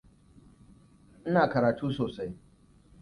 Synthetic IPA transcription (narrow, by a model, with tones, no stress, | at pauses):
nɪ˦naː˨kɐ˨ɾaː˨tuː˦soː˨sa˦j